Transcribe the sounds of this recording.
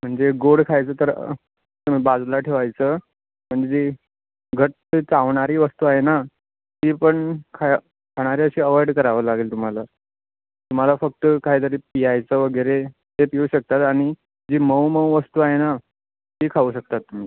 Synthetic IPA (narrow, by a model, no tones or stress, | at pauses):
m̤əɳd͡zeɡoɽkʰajt͡səːt̪əɾ | t̪um̤iːbad͡zlaʈʰeʋajt͡səː | m̤əɳd͡zed͡ze | ɡʱəʈ | t͡saʋɳaɾiːʋəst̪uːaɦena | t̪iːpəɳkʰa | kʰaɽ̃aɾiəɕiːəʋəɾɽkəɾaʋəːlaɡeːlt̪um̤ala | t̪um̤alafək̚t̪əkaɦiːt̪əɾiːpijajt͡səːʋəɡəɾet̪epiuːɕək̚t̪at̪aɽ̃i | d͡ʑiːməwməwʋəst̪uːaɦena | t̪iːkʰauːɕək̚t̪at̪ːum̤a